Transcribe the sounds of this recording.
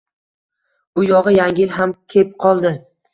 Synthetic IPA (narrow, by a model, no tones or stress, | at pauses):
ʊjɒʁɨjaŋʲɪlɦamkʲʰe̞p̚qʰɒlˠd̪ɪ